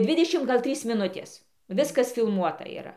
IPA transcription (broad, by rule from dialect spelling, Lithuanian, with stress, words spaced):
ˈdʲʋʲɪdʲɛʃʲɪm ˈɡɐlˠ ˈtʲrʲiːs mʲɪˈnʊtʲeːs ˈʋʲɪskɐs fʲɪlˠˈmuɔtɐ iːˈrɐ